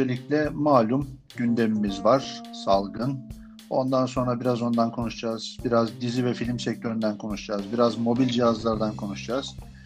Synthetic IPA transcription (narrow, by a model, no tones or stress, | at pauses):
elʲiclʲɛmaːlʲumɟynd̪e̞mimizvaɾ̥salˠɡɯn | o̞̰nd̪anso̞nɾabiɾazo̞nd̪ankʰo̞nuʃd͡ʒaːz̥biɾazd̪izivɛfilʲimsɛc̚t̪ʰø̞ɾynd̪ænkʰo̞nuʃd͡ʒaːzbiɾazmo̞bilʲd͡ʒiɦazlˠaɾd̪ankʰo̞nuʃd͡ʒaːz̥